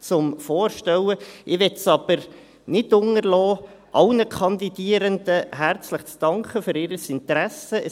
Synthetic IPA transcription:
t͡sʊmfɔːɾʃtɛwəʔɪʋɛtsɑb̥əɾ | nɪdʊŋəɾlɔː | ʔɑʊnəkʰɑnd̪idiəɾənd̪̥əɦæɾt͡sləχt͡sd̥ɑŋkχəføɾɪɾəsɪnt̪ɾæsəə

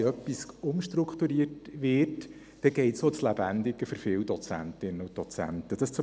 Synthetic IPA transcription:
œpːisʊmʃtɾʊkχt̪uɾiətʋɪːt | d̥ɛɡ̥ɛɪtsot͡slæb̥ænd̪ɪɡəfʏɾfɪːwd̥ɔt͡sæ̰ntɪnːəʊtd̥ɔt͡sæ̰ntəd̥ɑst͡sʊ

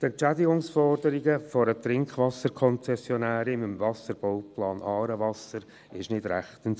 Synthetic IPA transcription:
tɛnt͡ʃædɪɡʊŋsfɔrdəɾɪɡəfɔɾət̪rɪŋkʰvɑsəɾkʰɔnt͡sɛsjɔnæːɾɪməmvɑsəɾb̥owplɑːnʔɑːɾəvɑsəɾ | ɪʃnɪd̥ɾæχtən

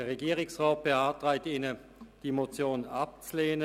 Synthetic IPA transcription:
eːɐʁeɡiːʁɪksʁaːt̚b̥ehaːɐtʁaɪtiːnə | d̥iːmot͡sjoːnap̚t͡sleːnə

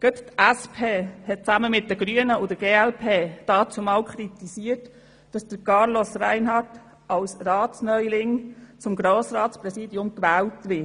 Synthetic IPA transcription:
ɡ̥œttæspʰeːhɛt̚t͡sæməmɪt̚dəɡ̥ɾyənəʊdəɡ̥eːælpʰeːd̥ɑːt͡sʊmɑːwkχɾit̪isiət | d̥ɑsd̥̪əɾkɑɾlosræɪnɦɑrt | ʔɑwsrɑːtsnœjlɪŋt͡sʊmɡɾoːsɾɑːtspɾɛsiːdiʊmkʋæːwtʋɪ

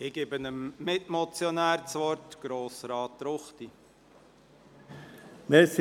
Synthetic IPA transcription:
ɪɡɪbənəmːɪtmɔt͡sjɔnæːɾt͡sʋɔɾtɡ̥ɾoːsɾɑːtːɾʊχti | mɛs

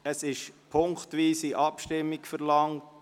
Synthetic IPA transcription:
əsɪʃpʰʊŋktʋiːsiʔɑpʃtɪmːikfɛɾlɑŋt

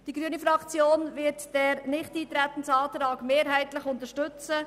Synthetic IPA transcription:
d̥iɡɾyənifɾɑkt͡sjoːnvɪɾtd̥ɛɾnɪχtiːt̪ɾɛt̪ən̩tɑːtɾɑːɡmeːɾɦɛɪtlɪχʊnt̪əɾʃtʏt͡sə

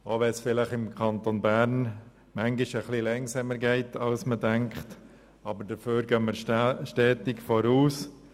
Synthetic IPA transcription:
oːʋɛsfɪlɪχɪmkʰɑnt̪onbæɾn | mæŋɡɪʃəχlilɛŋsɛməɾɡɛɪtɑlsmədɛŋkχt | ɑbəɾdəføːɾɡœməʃtɛːtɪkfɔɾuːs

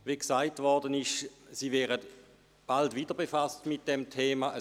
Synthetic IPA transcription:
veksaɪtvɔɐdənɪʃsiːvɛːʁət | b̥altviːdəɐbefastmɪt̚d̥ɛmtʰeːmaʔə

